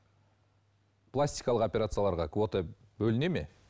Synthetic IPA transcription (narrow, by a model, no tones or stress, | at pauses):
plˠasʲt̪ʲijkɑlˠəqo̞pʲe̞ɾat̪sɨjalˠɑɾʁɑkvo̞t̪e | bɵlɪne̞me̞̰